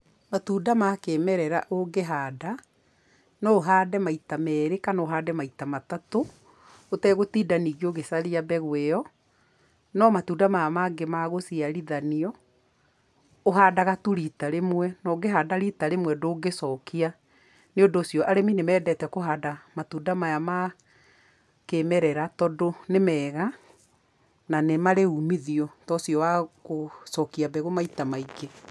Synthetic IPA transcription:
matuːdamakemɛɾɛɾa̰ʔoɡeɦaːda | nɔoɦaːdɛmaitamɛːɾekanoɦaːdɛmaitamatato | otɛɣotiːdaniːɣioɣesaɾiabɛɣweɔ | nɔmatudamamaɡemaɣosiaɾiðaniɔ | oɦaːdaɣatuɾitaɾemwɛnɔɡeɦadaɾitaɾemwɛdoːɡesɔkia | neodoːsjɔʔaɾeminemɛːdɛtɛkoɦaːdaɣamatudamajama | kemɛɾɛɾatɔdonemɛːɣa | nanemaɾeumiðiɔtɔsjɔwaɣosɔkiabɛɣomaitamaiɡe

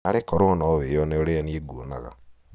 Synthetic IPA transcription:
aɾekɔɾoɔnɔβejɔneoɾeanieɡuona̰ɣa̰

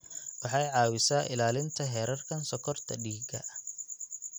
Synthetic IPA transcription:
wɑħɑjʕɑːwɪsaːʔɪlaːlɪnt̪ʰɐɦɛːɾɐrkʰɐnsɔkʰɔrt̪ʰɐɖiːɡɐ

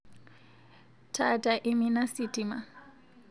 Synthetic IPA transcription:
tʰatʼaʔiminasitʼima

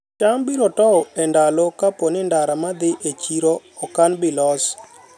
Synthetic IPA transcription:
t͡ʃambiɾɔtɔɛndalɔkapɔnɪndaɾamad̪ɪʔet͡ʃiɾɔ | ɔkanbɪlɔs

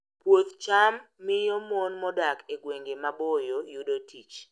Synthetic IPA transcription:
pwot̪t͡ʃamːɪjomonmɔdakeɡweŋɡemabojojudotʰit͡ʃ

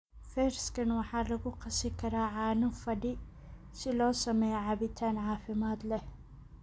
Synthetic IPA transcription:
feɾskɐnwaħalɐɡuqʰɐsikʰɐɾaʕanɨfɐdi | silosɐmɐjʕabit̪ʰanʕaːfimat̪lɐh

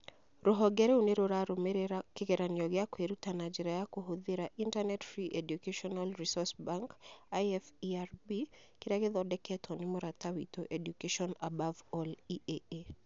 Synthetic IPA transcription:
ɾɔɦɔɡɛɾeoneɾoɾaɾomekekeɾanɪɔɡɪakweɾutanad͡ʒiɾajakoɦoðeɾaʔintanɛtfɾiʔedjukeʃɔnalɾisɔsbaŋkaɛfiarbi | kɪɾɛkɪðɔdɛkʰɛtʰɔnɪmɔɾatawḭtoʔedjukeʃɔnabavɔliʔee

